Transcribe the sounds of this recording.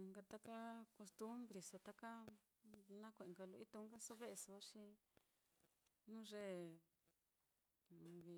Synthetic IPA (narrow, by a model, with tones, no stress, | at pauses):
ŋɡa˧t̪a˦ka˦ko˧st̪u˦mbɾi˨so˧t̪a˦ka˦ | nã˦kʷẽ˨ʔẽ˨ŋɡa˧lu˧i˦t̪u˧˦ŋɡa˦so˦βe˦ʔe˧so˧a˦ʂi˧ | nũ˦ʐe˦˨˧ | βi˧